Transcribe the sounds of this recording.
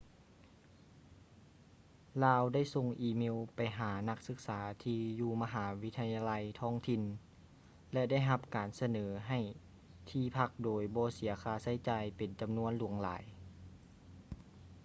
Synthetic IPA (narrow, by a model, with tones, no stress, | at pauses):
laː˧wda˥˩jso˧ŋʔiː˧˩me˧˨wpa˨jɦaː˩˦na˧˥k̚sɯ˧k̚saː˩˦t̪ʰiː˧juː˧ma˧ɦaː˩˦wi˦˥t̪ʰa˧jaː˧la˧jt̪ʰɔː˧˥˩ŋt̪ʰi˧n | lɛ˧da˥˩jɦa˧p̚kaː˨˩nsa˧nɤː˩˦ɦa˨˩j | t̪ʰiː˧˩pʰa˧˥k̚doː˨˩jbɔː˧˦si˨˩˦ɐkʰaː˧˦sa˧˥˩jt͡ɕaː˨jpe˨nt͡ɕa˨mnu˧˥˨ənlu˧˩˦əŋla̰ː˨˩˦j